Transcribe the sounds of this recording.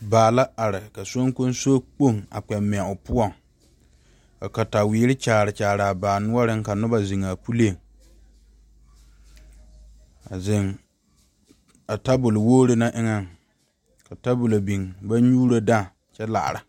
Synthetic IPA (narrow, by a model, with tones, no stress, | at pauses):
baː˨la˦a˨ɾɪ˨ka˨so˦ŋ˦ko˦n˦so˦k͡po˦˨ŋa̰˨k͡pɛ˨mːɪ˨a˨ʊ˨pʊ˦ɔ˦˨ŋ | a˨ka˨ta˨wiː˨˦ɾɪ˦t͡ʃaː˨ɾɪ˨t͡ʃaː˨ɾɪ˨a˨baː˨nʊ˦ɔ˦ɾɪ˦ŋ˦ka˨nʊ˦ba˨zɪ˨ŋa˨pu˦le˦˨ | a˨zɪ˨ŋ | a˨ta˦bʊ˨lɪ˨woː˦ɾɪ˦na˦ʔɪ˦ŋa˦ŋ | ka˨ta˦bʊ˨la˨bi˨ŋba˦ɲuː˦ɾa˦da˦˨ | t͡ʃɛ˦la̰˨ʔɾɪ˨